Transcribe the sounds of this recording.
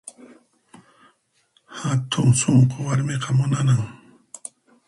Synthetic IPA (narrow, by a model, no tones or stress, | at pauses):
hat̪ʰʊŋsoɴqowaɾmeqɑmʊnanaŋ